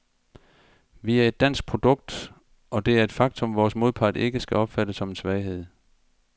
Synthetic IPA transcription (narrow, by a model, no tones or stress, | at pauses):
ʋiæɐe̝d̥ːæn̰sɡ̥̚pʰʁo̝d̥ɔ̽ɡ̥̚d̥ | ʔɒ̽d̥e̝æɐe̝d̥fɑ̈ɡ̥t͡sʰɔ̽mʋɒːsmo̝ðˠpʰɑ̈de̝ɡ̥əsɡ̥æɒ̽b̥fæd̥əsːɒ̽me̝nsʋɛːɪɦe̝ð̞̰ˠ